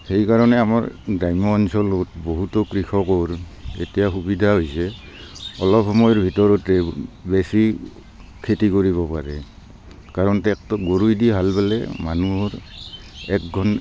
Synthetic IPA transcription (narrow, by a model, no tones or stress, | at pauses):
hejkaɹɔnɛamaɹɡɹajmɔːnsɔlotboɦutɔkɹikʰɔkɔɹḛtijaxubidʱaɦojsɛ | ɔlɔphɔmɔjɔɹbʱitɔɹɔtɛbesi | kʰetikoɹiβɔpaɹɛ | kaɹɔntɛk̚tɔɡoɹujdiɦalbalɛ̰manuɹ | ɛ̰kɡʱɔn